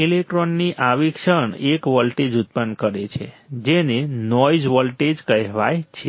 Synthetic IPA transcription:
ilek̚ʈɾonːiʔaʋikʃəɳekʋəlʈed͡ʒut̪̚pənkəɾet͡ʃʰḛ | d͡ʒenenɔjd͡ʒʋəlʈed͡ʒkəɦʋajt͡ʃʰe

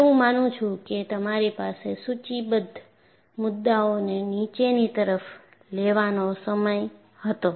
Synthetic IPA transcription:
eũmanũt͡ʃʰũket̪əmaɾipasesut͡ʃibəd̪ʱ | mʊd̪ːaonenit͡ʃenit̪əɾəf | leʋanosəməj | hət̪o

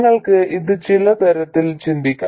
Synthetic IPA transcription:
ŋːɐɭkɨʔiðɨt͡ɕːilɐt̪ɐɾɐt̪ːɪlt͡ɕind̪ɪkʲːɐ̰

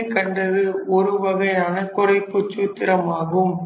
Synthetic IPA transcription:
kːɐɳɖɐðɯɔɾɯʋɐɣɐjaɐnɐkːʊrɐɪpːɯt͡ʃːuːt̪ːɪɾɐmaːɣɯm

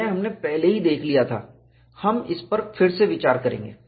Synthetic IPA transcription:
ɛɦɐmnepɛɦleɦid̪eːkʰlijat̪ʰa̰ː | hɐmɪspɐɾfɪɾseʋɪt͡ʃaːɾkɐɾḛ̃ːŋɡḛː

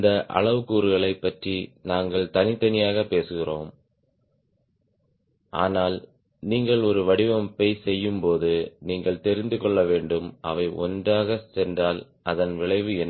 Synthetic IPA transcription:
ɪnd̪ɐʔɐ̰ɭɐʋɯkːuːɾɯɣɐɭɐɪpːɐʈrinaːŋɡɐɭt̪ɐnɪt̪ːɐnɪjaːɣɐpːeːsɯɣɪroːm | ʔa̰ːnaːl | niːŋɡɐɭɔɾɯʋɐɽɪʋɐmpɐɪsɛjːɯmpoːðɯniːŋɡɐɭt̪ɛɾɪnd̪ɯkɔɭːɐʋeːɳɖɯmʔɐ̰ʋɐɪʔɔ̰ndraːɣɐsɛndraːl | ʔɐðɐnʋɪɭɐɪʋɯɛnː

